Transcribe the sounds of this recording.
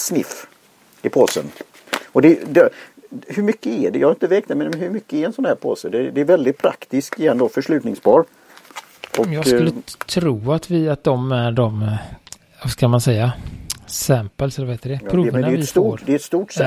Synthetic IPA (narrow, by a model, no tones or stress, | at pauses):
snɪ̰f | ɪpʰoːsə̰n | ɔd̪ɛd̪ɛhɵɾmʏkːəɛɖɛjɑhaɾɪnt̪əveːk̚t̪ɛmɛnɦɵɾmʏkːəɛɾɛnsɔnhæːɾpʰo̰ːsəd̪ɛd̪ɛːɾvɛld̪ɪt̪̚pʰɾa̰kt̪ɪskɪjɛnd̪oːfœʂɭʉ̟ːt̪nɪŋspʰɑːɾ | ʔɔkjɑːɡkɵlːət̪ʰɾuːat̪vɪat̪̚d̪ɔmæɖɔm | skamansɛjːasæmpəlsɛlːɾvaheːt̪əɖɛpʰɾuːvənavɪsfoːɾd̪ɛɛt̪st̪uːʈs